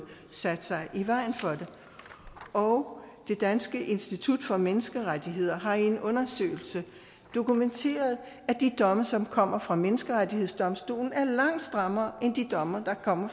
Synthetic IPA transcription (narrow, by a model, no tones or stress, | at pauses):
sæd̥sɑ̈ɪʔiʋɑ̈ɪ̰n̩fɒ̽d̥e̝ | ɒʊd̥e̝d̥ænsɡ̥əʔe̝nsd̥it͡sʰud̥fɒ̽menəsɡ̥əʁad̥ʰiɦe̝ð̞̰ˠɐɦɑ̈e̝nɔ̽nɐsø̰ːɪl̩sə | d̥o̝kument͡sʰe̝̰ːɐð̞ˠ | æd̥id̥ɒ̽məsɒ̽mkʰɒ̽m̰ɐfʁɑ̈menəsɡ̥əʁadihḛsd̥ɒ̽msd̥o̝̰ːln̩æɐlɑ̈ŋ̰d̥sd̥ʁɑmɐːʔend̥id̥ɒ̽mɐd̥ɑ̈kʰɒ̽m̰ɐ